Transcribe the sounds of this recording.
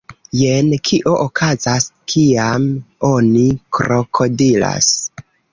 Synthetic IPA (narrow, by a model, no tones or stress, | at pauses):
jenkʰiʔo̞ʔokʰazaskʰiamo̞nikɾo̞kʰo̞dila̰s